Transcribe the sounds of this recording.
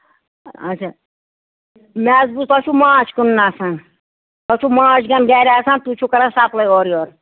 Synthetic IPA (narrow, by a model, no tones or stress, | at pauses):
ɐ̰t͡ʃʰa | mɛːzbust̪ɔt͡ʃʰumãːt͡ʃʰkunːaːsãn | t̪ɔt͡ʃʰumãːt͡ʃʰɡɐnɡɛːɾʲaːsãnt̪ut͡ʃʰukɐɾasaːplɐjoːɾjoːɾ